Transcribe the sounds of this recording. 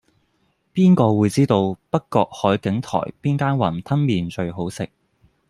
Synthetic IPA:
piː˥nkɔː˧wuː˨˧jt͡siː˥t̪o˧wpɐ˥kkːɔː˧k̚hɔː˨˥jkɪ˨˥ŋt̪ʰɔ̰ː˨˩jpiː˥nkaː˥nwɐ˨˩nt̪ʰɐ˥nmiː˨nt͡ʃɵ˧ɥɦo˨˥wsɪ˨k̚

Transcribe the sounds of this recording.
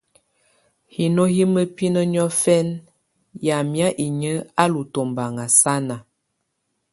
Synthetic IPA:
hi˨no˦hi˦mə˦pi˦nə˦ɲɔ˦fɛ˦n | ja˨mja˦ʔi˨ɲə˦a˦lu˨to˨mba˨ŋɡa˨sa˦na˨

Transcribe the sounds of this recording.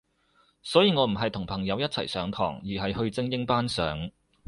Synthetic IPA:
sɔː˨˥jiː˨˧ŋɔː˨˧m̩˨˩ɦɐ˨jt̪ʰʊ˨˩ŋpʰɐ˨˩ŋjɐ˨˧wjɐ˥t̚t͡sʰɐ̰˨˩jsœː˨˧ŋt̪ʰɔ̰ː˨˩ŋjiː˨˩ɦɐ˨jhɵ˧ɥt͡sɪ˥ŋjɪ˥ŋpaː˥nsœ̰ː˨˥ŋ

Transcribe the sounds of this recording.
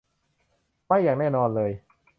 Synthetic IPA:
ma˥˩jːaː˨˩ŋnɛː˥˩nɔː˧nlɤː˧j

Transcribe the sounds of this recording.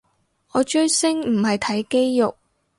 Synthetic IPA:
ɔː˨˧t͡ʃɵ˥ɥsɪ˥ŋm̩˨˩hɐ˨jt̪ʰɐ˨˥jke˥jjʊ˨k̚

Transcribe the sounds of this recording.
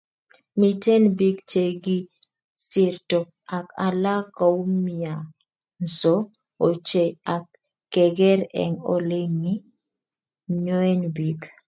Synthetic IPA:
mi˨te˦nbi˦kt͡ʃe˨ɡi˦ | sɪ˨rtɔ˨ | a˨ka˨la˦ka˨˦mia˨ | nsɔ˦ | o˨t͡ʃe˨a˨kː | ɛ˨ɡɛ˦ɾɛ̰˨ŋɔ̰˦le˦ŋi˦ | ɲɔ˦e˦nbi˨k

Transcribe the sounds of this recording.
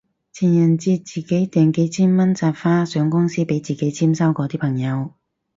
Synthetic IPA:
t͡sʰiː˨˩njɐ˨˩nt͡siː˧t͡siː˨ke˨˥jt̪ɛː˨˩ŋke˨˥jt͡sʰiː˥nmɐ˥nt͡saː˧faː˥sœː˨˥ŋkʊ˥ŋsiː˥pe˨˥jt͡siː˨ke˨˥jt͡sʰiː˥msɐ˥wkɔː˨˧t̪iː˥pʰɐ˨˩ŋjɐ˨˧w

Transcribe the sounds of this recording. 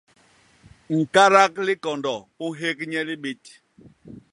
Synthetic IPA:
ŋ̩˨ka˦ɾa˦kli˦kɔ˨ndɔ˨u˦ɦe˦kɲɛ˦li˦ɓi˨t

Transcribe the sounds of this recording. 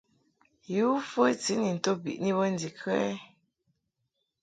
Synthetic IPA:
ju˨˦fə˦t͡si˨˦ni˨n̩˨to˦bḭ˨ʔni˦βɔ˦n̩˦di˨kʰɛ˦

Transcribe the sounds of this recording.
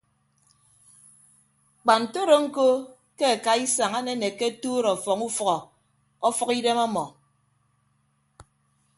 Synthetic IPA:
k͡pa˨n̩˨to˦ɾo˦ŋ̩˦ko˦ | ke˦a˨ka˨i˦sa˨ŋa˦ne˦ne˨ke˦tuː˦ɾɔ˨fɔ˨ŋu˦fɔ˨˦ɣɔ˨ | ɔ˦fɔ˦ki˦de˦mɔ˦mɔ˨

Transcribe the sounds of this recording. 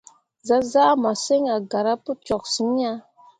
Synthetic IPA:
za˦za˦ma˨se˦ŋa˨ɡa˨ɾa˦pə˦t͡ʃɔ˨ksə˨˦ŋ˦a˦

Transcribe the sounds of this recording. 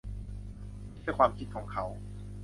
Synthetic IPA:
aː˥˩jkʰwaː˧mkʰi˦t̪̚kʰɔː˩˦ŋkʰa˦˥w

